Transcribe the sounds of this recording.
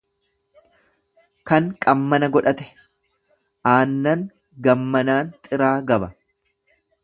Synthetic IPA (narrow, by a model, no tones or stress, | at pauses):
kɐŋkʼɐmːɐnɐɡɔᶑɐt̪ɛ̥ | ʔaːnːɐŋ | ɡɐmːɐnaːnt̪ʼɪɾaːɡɐbɐ